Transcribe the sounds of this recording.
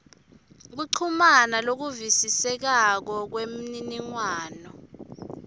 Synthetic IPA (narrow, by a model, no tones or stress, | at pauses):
k̬uǀʰumanalok̬uvisisɛk̬ak̬ɔk̬wem̩niniŋwaːnɔ